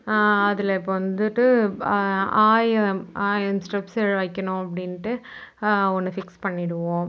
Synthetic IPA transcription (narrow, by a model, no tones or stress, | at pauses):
ɐðɪlɐɪpːoːʋɐnd̪ɯʈːɯ | aːjɐmaːjɐnsʈɐpsɛɻʋɐːɪkʲːɐɳõɐpːɐɽɪnʈːɯ | ɔnːɯfɪkspɐɳːɪɽɯʋõː